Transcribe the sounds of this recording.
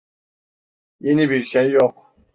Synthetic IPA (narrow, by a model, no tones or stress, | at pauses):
jenibiɾʃejːok